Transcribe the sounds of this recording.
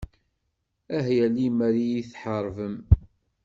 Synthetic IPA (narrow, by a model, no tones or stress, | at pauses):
æɦjælimæɾijiθħəɾˤvəm